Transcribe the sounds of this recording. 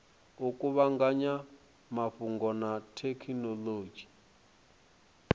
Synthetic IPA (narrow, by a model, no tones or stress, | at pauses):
ukʼuβaŋɡaɲa | maɸuŋɡɔnatʰekʰinɔloːd͡ʒi̥